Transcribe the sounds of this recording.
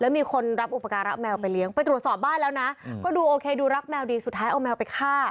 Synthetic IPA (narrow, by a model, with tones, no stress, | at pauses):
lɛː˦˥wmiː˧kʰo˧nɾa˦˥p̚ʔu˨˩pːa˧kaː˧nɾa˦˥p̚mɛː˧wpa˧jli˦˥əŋpa˧jt̪ɾu˨˩ət̪sɔː˨˩p̚baː˥˩nlɛː˦˥wna˦˥kɔː˥˩duː˧ʔoː˧kʰeː˧duː˧ɾa˦˥p̚mɛː˧wdiː˧st̪ʰːaː˦jʔa˧wmɛː˧wpa˧jkʰaː˥˩